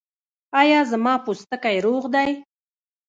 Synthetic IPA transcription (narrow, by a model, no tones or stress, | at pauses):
ɑjɑzamɑpust̪əkajɾoɣd̪aj